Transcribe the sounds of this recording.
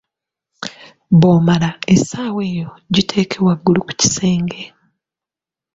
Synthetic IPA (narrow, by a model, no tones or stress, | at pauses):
βoːmalaesaːwe̞ːjo̞ɟitʰe̞ːkʰe̞βwaɡːuluku̥ci̥se̞ːŋɡe